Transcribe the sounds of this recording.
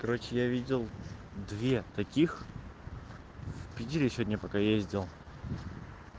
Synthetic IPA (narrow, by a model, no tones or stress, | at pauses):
kɐɾo̞t͡ɕɪjavʲidʲɪlˠ | d̪vʲe̞t̪ɐkʲix | fpʲɪdʲiɾʲɪsʲodʲnʲəpɐkajezʲdʲɪlˠ